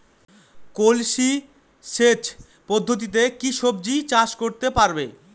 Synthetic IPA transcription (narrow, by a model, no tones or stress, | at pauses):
kolʃi | ʃet͡ɕ | pod̪ʱːot̪̬it̪̬ekiʃɔb̚d͡ʑit͡ɕaʃkoɾt̪epaɾbe